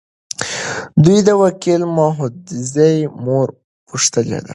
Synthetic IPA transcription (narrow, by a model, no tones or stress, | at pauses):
d̪ujd̪əwakilmɑɦʊd̪zejmoɾ | puʂt̪əlḛd̪a̰